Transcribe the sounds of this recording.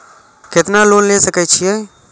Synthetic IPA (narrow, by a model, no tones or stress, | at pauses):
kɪt̪naloːnlesəkɛt͡ʃʰijɛ